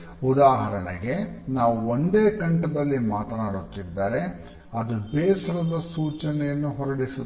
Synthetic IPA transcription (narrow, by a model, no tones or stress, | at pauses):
ud̪aːɦɐɾɐnḛɡe̞naːʋuond̪eːkɐɳʈɐd̪ɐlːimaːt̪ɐnaːɽut̪ːid̪ːaːɾe̞ | ɐd̪ubɛːsɐɾɐd̪ɐsuːt͡ʃɐnɛjɐnːuɦɔɾɐɽisu